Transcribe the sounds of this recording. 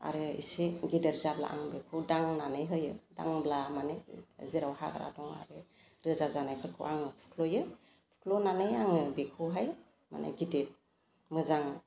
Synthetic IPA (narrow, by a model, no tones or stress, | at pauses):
a̰ɾeḭseɡideɾzabla̰ʔa̰ŋbekʰɯwdaŋnanɯjɦɯjɯ̰da̰ŋblamaneziɾawha̰ɡaɾa̰dɔŋa̰ɾe | ɾɯzazanajpʰɯkʰɯ̰wʔaŋɯpʰu̥kʰlojɯ | pʰu̥kʰlonanɯjaŋɯbekʰɯwɦaj | ma̰nḛɡidet̚ | mɯzaŋ